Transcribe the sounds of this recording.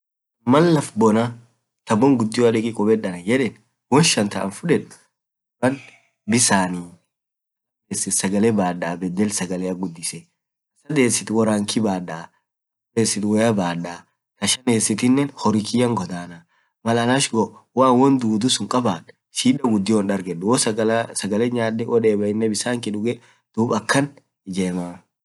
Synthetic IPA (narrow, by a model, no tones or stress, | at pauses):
mɐnlɐfbɔnɐ | t̪ɐbːɔŋɡʊd̪ːɪjɔɐᶑɛkʼɪkʼɔbɛɗɐnɐjɛᶑɛːn | wɔnʃɐnt̪ɐʔɐ̰nfʊᶑɛᶑ | bɐn | bɪsaːniː | sɐd̪eːsːɪt̪sɐɡɐlɛbaːɗaːbɛd̪ːɛlsɐɡɐlɛɐɡʊd̪ːɪsɛ | ɐsɐd̪eːsːɪt̪wɐɾaːŋkɪbaːɗa | sɐd̪eːsːɪt̪wɔjɐbaːɗaː | kɐʃɐneːsːɪt̪ɪnːɛnhɔɾɪkɪjɐŋɡɔd̪aːna | mɐlɐlaʃɡɔʔwaːnwɔnd̪uːd̪ʊsʊŋkʼɐbaːᶑ | ʃiːᶑɐɡʊd̪ːɪwɔnɗɐɾɡɛɗːʊwɔssɐɡɐlɛɲaːdɛʔɔᶑeːbɐɪnːɛbɪsaːŋkɪᶑʊɡɛ | d̪̥uːbɐkːɐn | ɪd͡ʒeːmaː